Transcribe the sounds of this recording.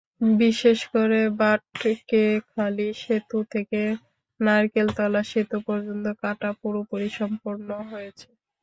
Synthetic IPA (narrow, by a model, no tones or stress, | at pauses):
biʃeʃkoɾebaʈkekʰaliʃet̪ut̪ʰeke | naɾkelt̪ɔlːaʃit̪opɔɾd͡ʑont̪okaʈapuɾopoɾiʃɔmpoɾnoɦojet͡ɕʰe̥